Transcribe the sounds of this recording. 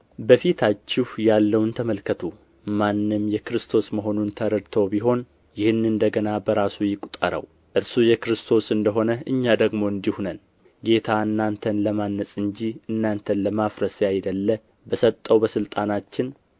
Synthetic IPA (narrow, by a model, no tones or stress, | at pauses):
bəfit̪ʰat͡ʃːɪhjalːəwnt̪ʰəməlkʰət̪ʰu | manːɨmjɛkɾɨst̪ʰo̞sməɦo̞nunt̪ʰəɾəɾt̪ʰo̞biɦo̞n | jɪhɨnɨnd̪əɡənabəɾasujɪkʼut̪ʼə̰ɾə̰w | ʔɨɾsujɛkɾɨst̪ʰo̞sɨnd̪əɦo̞nəʔɨɲːad̪əɡmo̞ɨnd̪ihunən | ɡe̞t̪ʰaɨnːant̪ʰənləmanːəsʼɨɲd͡ʒiɨnːant̪ʰənləmafɾəsjajd̪əlːə | bəsət̪ʼːəwbəsɨlt̪ʼanat͡ʃːɪn